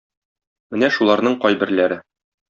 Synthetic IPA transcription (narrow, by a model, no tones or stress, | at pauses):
mɘnæʃulˠɑɾnɤɴqɒjbɘ̆ɾlæɾɘ